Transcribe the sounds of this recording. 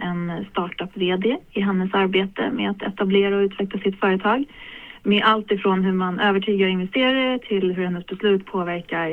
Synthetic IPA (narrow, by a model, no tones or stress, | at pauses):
ʔɛnst̪ɑːʈœpːveːd̪ɛɪɦɛnːəsaɾbeːt̪ə̰mɛ̰at̪ʰɛt̪ableːɾaɔʉ̟ːt̪ʰvɛklasɪt̪fœːɾət̪ʰɑːɡmeʔalt̪ɪfɾoːnɦɵɾmanʔøːvəʈʰyːɡaɾɪnvɛst̪eːɾaɾəʈ̪ʰɪlɦɵhɛnːəsbɛslʉ̟ːt̪pʰoːvæɾkaɾ